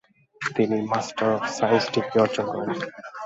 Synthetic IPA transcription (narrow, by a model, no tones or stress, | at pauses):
t̪inimasʈaɾɔfsajnsʈikɔɾt͡ʃɔkɔ̰n